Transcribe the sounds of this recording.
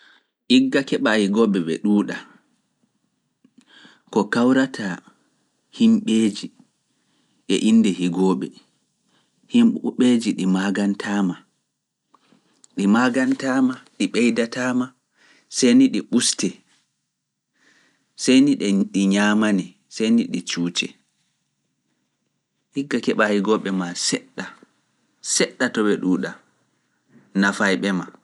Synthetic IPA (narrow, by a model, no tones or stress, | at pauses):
ʔiɡːakɛɓahiɡɔɓɛɓɛ̰ɗuːɗa | kɔkawɾatʰa | himɓeːd͡ʒi | ɗɛ̰ʔindɛhiɡɔːɓɛ̰ | himɓed͡ʒiɗimaɡantʰaːma | ɗimaɡantaːmaɗiɓɛjdataːma | sejniɗiɓustɛ | sejniɗɛɗiɲaːmani | sejniɗit͡ʃuːt͡ʃɛ̰ | hiɡːakɛɓahiɡɔɓːɛmasɛɗːa | sɛɗːatɔɓɛɗuːɗa | nafajɓɛma